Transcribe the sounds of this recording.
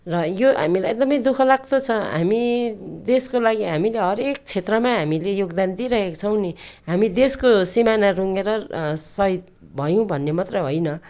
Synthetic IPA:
rʌjoɦa̰milajek̚d̪ʌmʌjd̪ukʰʌlaɡ̚t̪ot͡sʰʌɦa̰mid̪eskolaɡiɦamileɦʌɾek̚t͡sʰet̪rʌmaɦamilejoɡd̪and̪iɾʌɦekt͡sʰʌw̃niɦamid̪eskosimanaruŋeɾʌsʌit̪̚ | bʱʌjũbʱʌnːemʌt̪rʌjɦojnʌ

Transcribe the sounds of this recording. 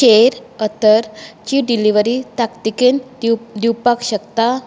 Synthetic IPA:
ɕeɾət̪əɾt͡ɕiɖiliʋəɾit̪akt̪ikend̪iwpakɕəkt̪a

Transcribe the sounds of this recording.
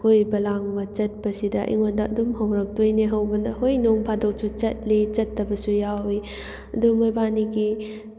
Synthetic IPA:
kʰojbɐlaŋbɐt͡ʃɐt̚pɐsidɐʔḭŋondɐɐ̰dumɦɐwɾɐk̚tojniɦɐwbɐnɐɦojnoŋpʰadok̚sut͡ʃɐt̚lit͡ʃɐtːɐbɐsujawi | ɐdumojbaniɡi

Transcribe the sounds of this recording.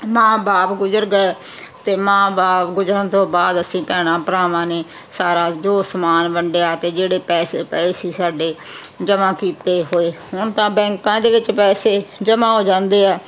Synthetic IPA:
mãːbaːpɡʊzəɾɡe | t̪eːmãːbaːpɡʊzəɾət̪õːbaːd̪əsĩːpɛːɽ̃ãːpɾaːʋãːneː | saːɾaːd͡ʒoːsəmaːnbəɳɖejaːt̪eːd͡ʒeːɽeːpɛːseːpɛːeːsiːsaːɖeː | d͡ʒəmãːkiːt̪eːɦoːeːɦʊɳt̪ãːbɛ̃ːŋkãːd̪eːʋɪt͡ʃpɛːseːd͡ʒəmãːɦoːd͡ʒãːnd̪eːɛː

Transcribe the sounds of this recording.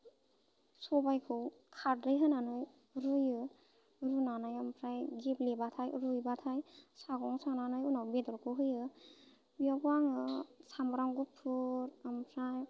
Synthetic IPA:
sɔbajkʰɯw | kʰaɾɾɯjɦɯnanɯj | ɾujɯ | ɾunanajampʰɾajɡiplebatʰajɾujbatʰajsaɡɔŋsaŋnanɯjunawbedɔɾkʰɯɦɯjɯ | biapaŋɯsamɾaŋɡupʰuɾampʰɾaj

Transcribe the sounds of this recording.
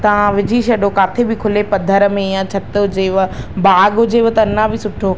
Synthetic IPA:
t̪ɐʋ̤ãʋɪd͡ʑiːʃɐɗokaːt̪ʰebɪkʰʊlepɐd̪ʱəɾəmẽjãt͡ɕʰɐt̪d͡ʑeːʋbaːɡʊd͡ʑeːʋt̪ɐnãbʱɪsʊʈʰo

